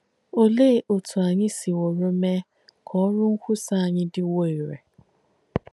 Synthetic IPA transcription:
o˦leː˦˨ʔo˨tʰu˨a˨ɲɪ˦si˨wo˨ɾo˦me˦ | kʰɔ˦ɾʊ˦ŋ̩˦kʷʊ˦sa˦˨a˨ɲɪ˦dɪ˦wo˦˨i˨ɾḛ˨

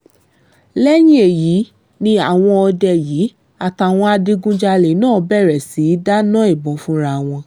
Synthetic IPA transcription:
lɛ˦j̃ĩ˦e˨jiː˨˦ | nĩ˧a˨w̃ɔ̃˧ɔ˧dɛ˨jiː˨˦ | a˨ta˨w̃ɔ̃˧a˧de˧ɡũ˦d͡ʒa˧le˨˦nãː˦˨˦bɛ˦˨ɾɛ˨si˨˦da˦nã˦i˦˨bɔ̃˨˦fũ˦ɾa˦˨w̃ɔ̃˧

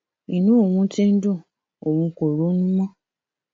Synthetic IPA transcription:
i˨nũ˦˨wũ˦ti˦n̩˦du˦˨ | o˨wũ˧ko˨ɾo˦n̩˦mɔ̃˦

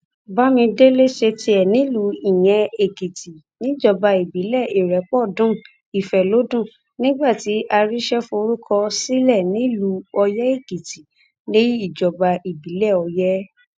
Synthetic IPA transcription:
ba˦mĩ˧de˦le˦ʃe˧tʰi˧ɛ˨nĩ˨˦lu˨˧˦i˦˨j̃ɛ̃˧˦e˨ɡi˨ti˨ | nĩ˨˦d͡ʒɔ˧˨ba˧i˨bi˨˦lɛ˦˨i˨ɾɛ˨˦k͡pɔ˦˨dũ˦ | i˨fɛ˨lo˨˦dũ˦˨ | nĩ˦ɡ͡ba˦˨ti˨˦ʔa˧ɾi˦ʃɛ˦fo˧ɾu˦kʰɔ˧si˦lɛ˦˨nĩ˨˦lu˨˧˦ɔ˧jɛ˦e˦˨ɡi˨ti˨ | ne˦i˦i˦˨d͡ʒɔ˨ba˧i˨bi˨˦lɛ˦˨ɔ˧jɛ˦

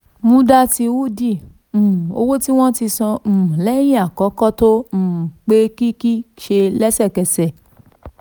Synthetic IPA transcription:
mũ˧˦da˦ti˧wu˦dĩ˦˨ | o̰˧wo˦ti˦w̃ɔ̃˦ti˧sɔ̃˧m̩̃˨lɛ˦j̃ĩ˦a˨kɔ˨˦kɔ˦tõ˦˨k͡pe˦ki˦ki˦ʃe˧lɛ˦sɛ˦˨kɛ˧sɛ˨

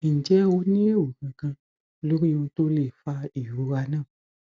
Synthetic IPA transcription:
n̩˨d͡ʒɛ˦wo˧˦nĩ˦le˦o˨kã˧kã˧ | lo˦ɾi˦o˧˦to˦le˦˨fa˧˦i˨ju˨˦ɾa˧nãː˦˨

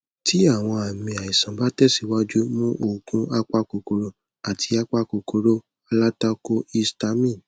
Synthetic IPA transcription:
tʰi˦a˦˨w̃ɔ̃˧a˨mĩ˧a˨i˨sã˨˦ba˦tɛ˦˨si˨wa˦d͡ʒu˦mũ˦ʔo˨kũ˦a˦k͡pa˦ko˧ko˧ɾo˦˨ | a˨tʰi˧˦a˦k͡pa˦ko˧ko˧ɾo˦ | a˧la˦ta˦ko˦i˦sta˧˦mĩ˦˨n

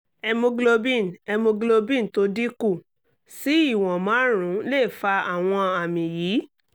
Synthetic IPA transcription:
ɛ˧mũ˧ɡlo˧bĩ˦˨nɛ˧mũ˧ɡlo˧bĩ˦n̩˨to˧˦di˦ku˦˨ | si˨˦i˦˨w̃ɔ̃˨mãː˨˦ɾ̃ũ˨˦le˦˨fa˧a˦˨w̃ɔ̃˧a˨mĩ˨jiː˨˦

